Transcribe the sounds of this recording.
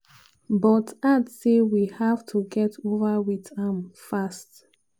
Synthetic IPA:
bɔtatsewihavtʰuɡɛtʰovawiðãmfast

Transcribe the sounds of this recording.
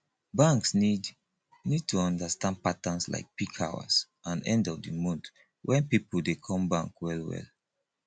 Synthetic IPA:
bãŋksi | nid̚tʰuɔ̃ndastãnd̚patãnsla̰ɪk̚pikʰawa̰s | ãnɛ̰̃ndɔpdimũnd | wʔɛ̃npipl̩dekʰɔ̃mbãŋkwɛlwɛ̰l

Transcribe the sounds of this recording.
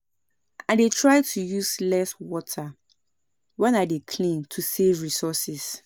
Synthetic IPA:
adetʰɹaɪtʰujuslɛswɔtʰa | wɛ̃nadekʰlĩntʰusevɹisɔsɛs

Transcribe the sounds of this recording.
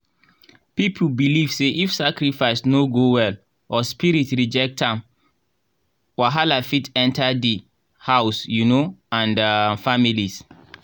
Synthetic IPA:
pipʰubiliv̥seʔifsakɹifaɪsnoɡowɛl | ɔspiɹitɹid͡ʒɛk̚tãm | waɦalafitɛ̃ntʰadi | haʊsjunoãndafamilis

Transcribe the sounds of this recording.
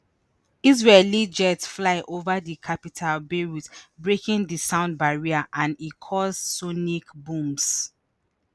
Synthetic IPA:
iz̬ɹelid͡ʒɛtflaɪʔovadikʰapitʰalbeɹutbɹekĩndisãʊ̃nd̚baɹiaʔãnikʰɔssonikbũms

